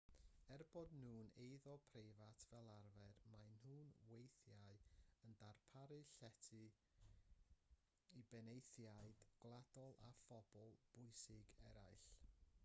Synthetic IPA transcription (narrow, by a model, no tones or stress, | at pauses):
ɛrbɔdnuːnejðɔpʰrejvatʰv̥ɛlˠarvɛdmajnhuːnwejθjaɨəndarpʰaɾɨɬɛtʰɨ | ibɛnejθjaɨd̥ɡ̥lˠad̥ɔlˠa̰fɔb̥ɔlˠb̥ʊɨsɪɡɛ̰ɾajɬ